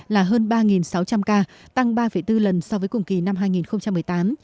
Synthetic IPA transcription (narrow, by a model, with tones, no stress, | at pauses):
laː˨˩ɦəː˧nɓaː˧ŋi˨˩nsa˨˦wt͡ɕa˧mkaː˧ | t̪a˧ŋɓaː˧fə˧˩jt̪ɨ˧lə˨˩nsɔ˧vəː˨˦jkʊ̰˨˧˩ŋ͡mki˨˩na˧mɦaː˧jŋi˨˩nxə˧wŋ͡mt͡ɕa˧mːɨ˨˩əjt̪aː˨˦m